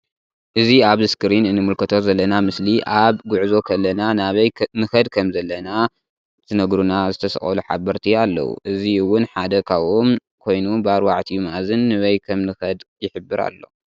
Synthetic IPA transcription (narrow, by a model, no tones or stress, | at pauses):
ʔɨziaβzɨskɨɾinɨnːɨmulkʰɐt̪ʰo̞zɐlːɐnamɨsliʔaβɡʊʕzo̞kʰɐlːɐnanaβɐjnɨxɐd̪kʰɐmzɐlːɐna | t̪ʰɨnɐɡɾunazɨt̪ʰɐsɐ̰χʼɐ̰luħa̰bɐɾt̪ʰialːɐ̰wṵʔɨziwʊnħad̪ɐkʰaβom | kʰo̞jnubaɾwaʕt̪ʰimazɨnːɨβɐjkʰɐmnɨxɐd̪jɪħɨbːɨɾa̰lːo̞̰